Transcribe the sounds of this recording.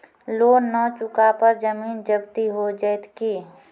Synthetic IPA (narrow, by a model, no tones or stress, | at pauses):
loːnət͡ʃʊkapəɾd͡ʒəmiːnd͡ʒəbt̪iɦod͡ʒəjt̪kiː